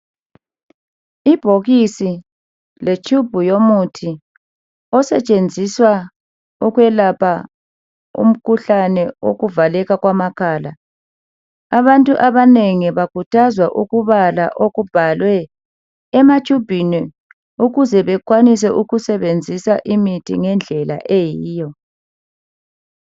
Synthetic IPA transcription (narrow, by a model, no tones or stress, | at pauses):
ib̥ʱoɣisi | let͡ʃʼʰub̥ʱujomutʰi | ɔsɛ̰t͡ʃʼend͡zʱiswa | uɣwɛlapʰa | ṵm̩kʰuɬanɛo̰ɣuvalɛɣaɣwamakʰaːla | aβantʼuʔaβaneŋiβakutʰazwaʔuɣuβalaʔoɣub̥ʱalwɛː | mat͡ʃʼub̥ʱini | uɣuzɛβɛk̬ʼwanis̬ɛʔuɣusɛβend͡zʱisaʔimitʰḭŋɛnd͡ɮʱɛla̰ʔejiːjɔ